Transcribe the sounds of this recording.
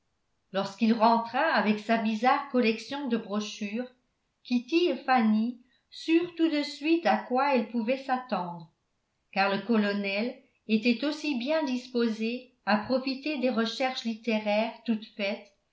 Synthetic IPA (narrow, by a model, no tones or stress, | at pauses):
lɔʁskilʁɑ̃t̪χaːvɛksabizaʁkɔlɛksjɔ̃d̪əbʁɔʃyːʁ | kʲit̪iefani | syːʁt̪ud̪əsɥit̪akwaɛlpuvɛsat̪ɑ̃d̪ʁə | kaʁləkɔlɔnɛl | et̪ɛt̪osibjɛ̃d̪ispoze | apχɔfit̪ed̪eʁəʃɛʁʃlit̪eʁɛːʁt̪ut̪fɛt̪